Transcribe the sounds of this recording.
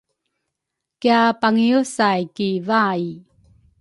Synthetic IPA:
kiapaŋiusajkivaji

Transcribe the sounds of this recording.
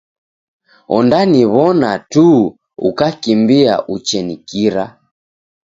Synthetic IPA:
ɔ̰ndaniβɔnatu | ṵkakimbia̰ʔut͡ʃɛnikiɾa

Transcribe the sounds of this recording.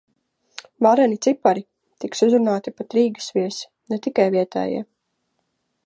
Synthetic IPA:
vaɾɛlʲit̪sipːaɾi | t̪iksuzɾunaːt̪ipat̪ɾiːɡə̥sviɛsi̥ | nɛt̪ikajviɛt̪ɛ̰ːjɛ̰

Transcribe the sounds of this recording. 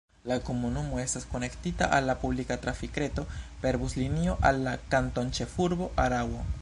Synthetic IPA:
lakomunomwest̪askonekt̪it̪a̰ʔalapuβlikat̪ɾafikɾet̪opeɾbuslinioʔalakant̪ont͡ʃefuɾβoʔaɾawo

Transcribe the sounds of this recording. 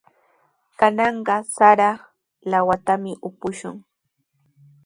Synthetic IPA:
kanɑɴɢɑsaɾɑ | lawat̪amɪʔʊpʊʃʊŋ

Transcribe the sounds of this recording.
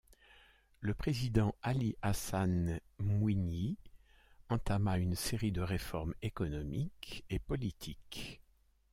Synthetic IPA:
ləpχezid̪ɑ̃aliʔasanmwini | ɑ̃t̪amaynseʁid̪əʁefɔʁmekɔnɔmikepɔlit̪ʰik

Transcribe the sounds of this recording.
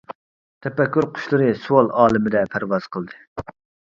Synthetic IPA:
t̪ʰɛpɛkʲːyɾqʰʊ̥ʃlˠɨɾɨsuwɑlˠɑːlˠɨmɪd̪ɛpʰæɾvɑz̥qʰəlˠd̪ɨ

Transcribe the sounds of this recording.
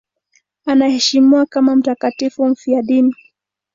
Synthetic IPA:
anahɛʃimiwakamam̩takatifum̩fiaɗini

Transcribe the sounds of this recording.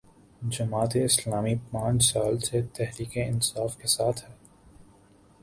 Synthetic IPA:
d͡ʒɐmaːt̪eɪslaːmipãːt͡ʃsaːlset̪ɛɦɾiːkeɪnsaːfkesaːt̪ʰhɛː

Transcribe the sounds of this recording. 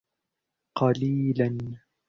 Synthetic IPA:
qɑliːlan

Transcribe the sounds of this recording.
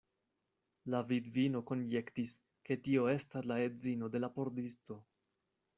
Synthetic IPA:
lavidvino̞ko̞nje̞ktis | ke̞tio̞e̞staslae̞zino̞de̞lapo̞ɾdisto̞

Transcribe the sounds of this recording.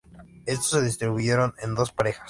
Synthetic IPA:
e̞st̪ose̞ðis̬t̪ɾiβuʝe̞ɾo̞nend̪o̞spaɾe̞xḁs

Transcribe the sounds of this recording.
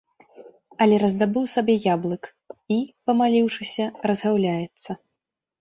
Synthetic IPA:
ɐlʲɛɾɐzd̪abɨwsabʲɛjablˠɨk | ipɐmalʲiwʂɨsʲɐrɐzɣawlʲajɛt̪sːɐ

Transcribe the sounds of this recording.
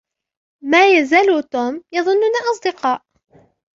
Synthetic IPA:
maːjazaːlut̪uːmjɑðˤʊnːʊnaʔɑs̬ˤd̪ɨqɑːʔ

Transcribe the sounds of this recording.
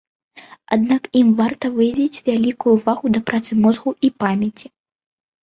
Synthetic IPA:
ad̪̚nakimvart̪ɐvɨjɐvʲit͡sʲvʲalʲikujuːvaɣud̪ɐpɾat̪sɨmɔzɣuipamʲɛt͡sʲi

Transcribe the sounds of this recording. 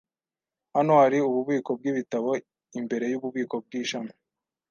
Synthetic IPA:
hanohaɾiuβuβiːko̞b̚ɡiβitaβo̞ | imbe̞ɾe̞juβuβiːko̞b̚ɡiːʃamo

